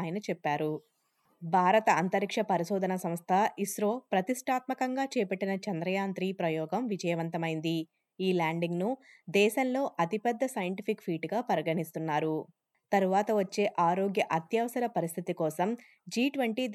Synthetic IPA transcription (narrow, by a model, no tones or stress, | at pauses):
jɐnɐt͡ʃɛpːaːɾu | bʱaːɾɐt̪ɐɐnt̪ɐɾikʂɐpɐɾiʃɔːd̪ʱɐnɐsɐmst̪ʰɐisɾoːpɾɐt̪iʂʈʰaːt̪mɐkɐŋɡaːt͡ʃɛːɐpɐʈːinɐt͡ʃɐnd̪ɾɐjaːnt̪ɾiːpɾɐjɔːɡɐmʋid͡ʒɐjɐʋɐnt̪ɐmɐjind̪i | iːlaːɳɖiŋɡnud̪ɛːʃɐnlo̞ːʔɐt̪ipɛd̪ːɐsɐjɐɳʈipʰikpʰiːʈɡaːpɐɾɐɡɐɳist̪unːaːɾu | t̪ɐɾuʋaːt̪ɐʋɐt͡ʃːe̞ːʔaːɾoːɡjɐʔɐt̪jɐʋɐsɐɾɐpɐɾist̪ʰit̪ikɔːsɐm | d͡ʒiːʈʋɐɳʈi